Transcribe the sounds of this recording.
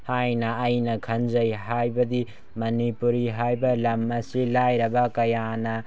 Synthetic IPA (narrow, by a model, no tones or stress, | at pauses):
hajnɐːjnɐkʰɐnzɐjɦajbɐdi | mɐnipuɾiɦajbɐlɐmɐsilajɾɐbɐkɐjanɐ